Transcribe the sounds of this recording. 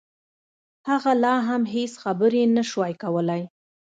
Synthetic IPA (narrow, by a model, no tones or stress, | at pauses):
haɣalɑɦamɦesxabəɾenaʃwɑjkawəlaj